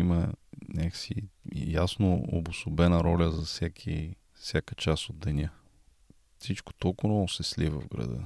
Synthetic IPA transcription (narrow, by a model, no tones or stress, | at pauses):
imənʲaksḭjasnoo̰bʊsʊbɛnəɾɔlʲəzɐfsʲɛkʰi | fsʲjakət͡ʃasod̪̚d̪ɛnʲə | fsit͡ʃko̥t̪ɔlˠkʊvɔsɛslivə̰vɡɾɐ̰d̪ə̰